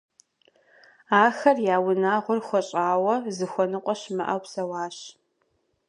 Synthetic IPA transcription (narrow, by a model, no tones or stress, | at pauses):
aːxɐrjaːwʊnaːʁʷʊrxʷɔɕʼaːwɐzɨxʷɔnɨqʷʼɔɕmɨʔɐ̰wpsɐwɑːɕ